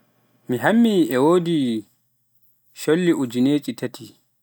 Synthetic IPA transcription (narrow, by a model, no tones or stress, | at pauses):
miɦamːiɛwoːdi | ʃolːiʔud͡ʒineːt͡ʃʼitatʰi